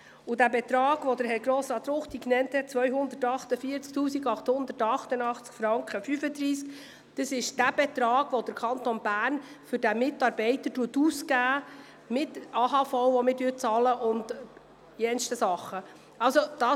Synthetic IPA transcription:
udæbɛt̪ɾɑːɡ̥ʋɔdəɾɦɛɾɡɾoːslɑt̪ɾʊχtiknɛnthɛt̚t͡sʋœʏɦʊnd̪ətɑχtəfiəɾt͡sk̚tuːsiɡɑχthʊnd̪ətɑχtənɑχt͡skfɾɑŋkχəfyfəd̪ɾiːsk | d̪̥əsɪʃd̥æb̥ɛt̪ɾɑːɡ̥ʋɔd̥əɾkʰɑntonbæːrn | fʏɾdæmɪtɑɾbɛɪtətuətuskæː | mɪtɑːɦɑfɔwʋɔmɪɾdyːt͡sɑːləʔʊnd | jɛnstəsɑχːə | ɑlsod̥ɑ

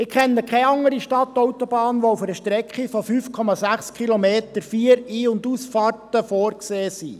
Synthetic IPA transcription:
ɪkʰɛnːəkʰɛɑŋːəɾiʃtɑt̪ɔwtɔb̥ɑːnʋoufəɾəʃtɾɛkχifɔfyːfkʰɔmɑsæχskχilomeːtəɾfiəɾiːʊnduːsfɑːrtəfɔːrkseːsḭ

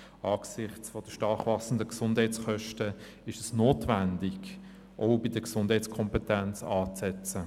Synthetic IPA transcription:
ɑːksɪχt͡sfɔd̥əʃtɑɾχvɑsən̩dəksʊnd̥hɛɪt͡sχœʃtə | ɪʃɛsnoːtvændɪɡ̥ | ʔoʊbɪd̥əksʊnd̥hɛɪtskʰɔmpɛtænt͡sɑːt͡sɛt͡sə

